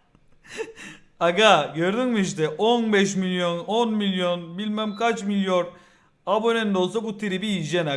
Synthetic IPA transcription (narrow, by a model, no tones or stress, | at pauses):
aɡaɟøɾd̪ynmiʃ̬t̪ɛʔonbɛʃmilʲjo̞nonmilʲjo̞nbilʲmæmkat͡ʃmilʲjo̞n | abo̞nend̪o̞lˠs̬abut̪ʰiɾibiːd͡ʒɛna